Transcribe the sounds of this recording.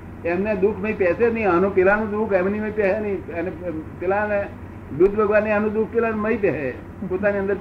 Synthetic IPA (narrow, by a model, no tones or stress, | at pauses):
emned̪ukʰməĩpɛsenəĩanũpɪlanũd̪ukʰemniməĩpɛsenəĩənepɪlane | d̪ud̪bʱəɡʋanːianũd̪uk̚ʰpɪlanməipɛɦe | pot̪aniənd̪əɾ